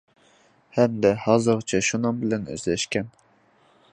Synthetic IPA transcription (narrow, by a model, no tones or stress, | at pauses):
hɛmd̪ɛhɑːzɨɾt͡ʃʰɛʃunɨŋbɪlɛnø̰zlɛʃkʲɛn